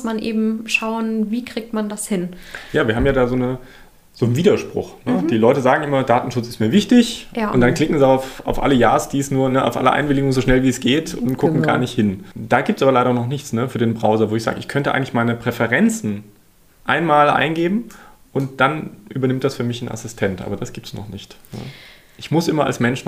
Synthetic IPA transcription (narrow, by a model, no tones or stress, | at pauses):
smanʔḛːbm̩ʃaʊənviːkʁ̥iːk̚tmandashɪnjaːviɐɦaːmjaːdaːzoːnə | z̥oːnviːdɐʃpʁ̥ʊ̰xnəd̥iːlɔʏtəzaːɡŋ̩ʔɪmɐdaːtn̩ʃʊt͡sɪstmiːɐvɪçtɪçʔʊntd̥ankl̥ɪkŋ̩ziaʊfa̰ʊfʔa̰ləjaːɐsd̥iːɛsnuːɐnəʔa̰ʊfʔa̰lə̰ʔa̰ɪnvɪlɪɡʊŋzoːʃnɛlviːɛsɡ̥eːtʰʊnt̚ɡ̥ʊkŋ̩ɡa̰ːɐnɪçthɪnd̥aːɡiːp̚tsaːbɐlaɪɾɐnɔχnɪçt͡snəfyːɐdeːnbʁaʊzɐvoːɪçz̥a̰ːɡəɪçkʰœntəʔa̰ɪŋ̩tl̥ɪ̥çmaɪnəpʁ̥ɛfɛʁɛnt͡sn̩ | ʔaɪnmaːlʔa̰ɪnɡeːbm̩ | ʔʊnt̚d̥anʔyːbɐnɪmt̚d̥asfyːɐmɪçn̩ʔa̰sɪstʰɛntʔa̰ːbɐd̥asɡ̥iːp̚tsnɔ̰χnɪçtnə̰ | ʔɪçmʊsʔɪmɐa̰lsmɛnʃ̩